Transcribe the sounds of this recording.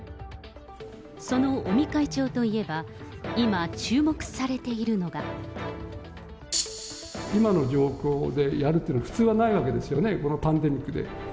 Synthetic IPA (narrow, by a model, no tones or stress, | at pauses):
so̞no̞omʲikait͡ɕo̞ːt̪o̞ie̞ba | imat͡ɕɨːmo̞kɯ̟̥saɾe̞t̪e̞iɾɯ̟no̞ɡa | imano̞d͡ʑo̞ːkʲo̞ːd̪e̞jaɾɯt̪ːejiːnaɸɯ̥t͡sɨːβanaiβake̞d̪e̞sɨjo̞ne̞ko̞no̞pãnd̪e̞mʲikːɯ̟d̪ḛ